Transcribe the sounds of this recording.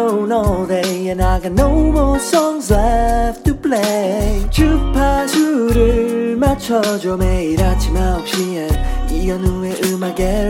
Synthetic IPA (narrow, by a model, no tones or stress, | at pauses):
onɔldeɛ̃naɡanowmɔsʌŋsaftʰupʰlet͡ɕʰɯpʰasuɾɯmat͡ɕʰʌd͡ʑomeiɾat͡ɕʰimaok̚ɕienijʌnueʔɯmaɡe